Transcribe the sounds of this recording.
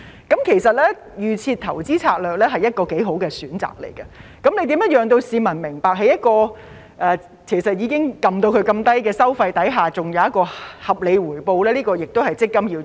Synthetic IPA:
kɐ˨˥mkʰe˨˩jsɐ˨t̚lɛː˥ | jyː˨t͡sʰiː˧t̚t̪ʰɐ˨˩wt͡siː˥t͡sʰaː˧k̚lœː˨k̚lɛː˥ɦɐ˨jɐ˥t̚kɔː˧ke˨˥jɦo˨˥wkɛː˧syː˨˥nt͡sa̰ː˨k̚lḛ˨˩jɡɐ˧kɐ˨˥mne˨˧jt̪iː˨˥mjɐ˥t̚jœː˨˧ŋt̪o˧wsiː˨˧mɐ˨˩nmɪ˨˩ŋpaː˨k̚ɦɐ˨jɐ˥t̚kɔː˧ | ʔɛː˨˧ | kʰe˨˩jsɐ˨t̚jiː˨˧kɪ˥ŋkɐ˨mt̪o˧wkʰɵ˨˧jkɐ˧mt̪ɐ˥jkɛː˧sɐ˥wfɐ˧jt̪ɐ˨˥jɦaː˨t͡sʊ˨˩ŋjɐ˨˧wjɐ˥t̚kɔː˧hɐ˨p̚le˨˧jwuː˨˩jpo˧wlɛː˥liː˥kɔː˧jɪ˨k̚t̪o˥whɐ˨˩jt͡sɪ˥kːɐ˥mjiː˧

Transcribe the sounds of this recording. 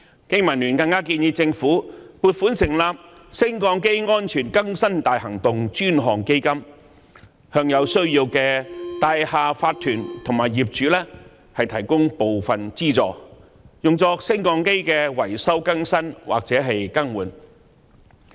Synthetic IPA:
ke˥jmɐ˨˩nlyː˨˩nkɐ˧ŋkaː˥k̬iː˧njiː˨˧t͡sɪ˧ŋfuː˨˥puː˧t̚fuː˨˥nsɪ˨˩ŋlaː˨p̚ | sɪ˥ŋkɔː˧ŋke˥jŋɔː˥nt͡ʃʰyː˨˩nkɐ˥ŋsɐ˥nt̪aː˨jhɐ˨˩ŋt̪ʊ˨ŋt͡ʃyː˥nɦɔː˨˩ŋke˥jkɐ˥m | hœː˧ŋjɐ˨˧wsɵ˥ɥjiː˧wkɛː˧t̪aː˧jhaː˨faː˧t̚t̪ʰyː˨˩nt̪ʰʊ˨˩ŋmaː˨˩jjiː˨p̚t͡ʃyː˨˥lɛː˥ | hɐ˨jt̪ʰɐ˨˩jkʊ˥ŋpo˨wfɐ˨nt͡siː˥t͡sɔ̰ː˨˩ | jʊ˨ŋt͡sɔː˧sɪ˥ŋkɔː˧ŋke˥jkɛː˧wɐ˨˩jsɐ˥wkɐ˥ŋsɐ˥nwa̰ː˨k̚t͡sɛː˨˥ɦɐ˨jkɐ˥ŋwuː˨˩n

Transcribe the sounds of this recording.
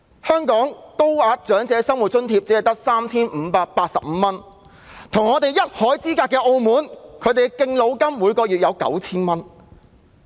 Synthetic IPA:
hœː˥ŋkɔː˨˥ŋt̪o˥waː˧k̚t͡ʃœː˨˥ŋt͡sɛː˨˧sɐ˥ŋwu˨t̚t͡ʃɵ˥nt̪ʰiː˧p̚t͡siː˨˥ɐ˨jt̪ɐ˥k̚saː˥mt͡sʰiː˥nm̩˨˧paː˧k̚paː˧t̚sɐ˨p̚m̩˨˧mɐ˥n | t̪ʰʊ˨˩ŋɔː˨˧t̪e˨jːɐ˥t̚hɔː˨˥jt͡siː˥kaː˧tkːɛː˧ʔo˧wmuː˨˥nkʰɵ˨˧ɥt̪e˨kɪ˧ŋlo˨˧wkɐ˥mwuː˨˧jkɔː˧jyː˨t̚jɐ˨˧wkɐ̰˨˥wt͡sʰiː˥nmɐ˥n

